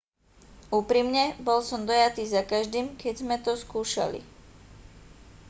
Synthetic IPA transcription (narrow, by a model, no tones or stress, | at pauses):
uːpɾimɲɛbɔlsɔmd̪ɔjat̪iːzakaʒd̪iːmkɛɟzmɛt̪ɔskuːʃa̰lḭ